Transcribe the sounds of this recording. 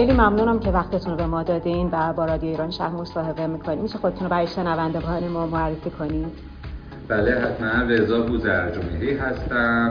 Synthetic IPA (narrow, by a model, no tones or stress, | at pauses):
xejliːmæmnuːnæmcʰevæxt̪ʰet̪ʰunobe̞mɒːd̪ɒːd̪invæbɒːɾɒːd̪ijoiːɾɒːnʃæ̰hmo̞sɒːɦe̞be̞miːkʰo̞nimt͡ʃʰexod̪e̞t̪unobæɾɒːjeʃe̞nævænd̪e̞ɡɒjemɒːmoærːe̞fiːkʰo̞nid̪̥ | b̥æleɦæt̪ʰmænvezɒːbuzæɾd͡ʒomiɾiːɦæst̪æm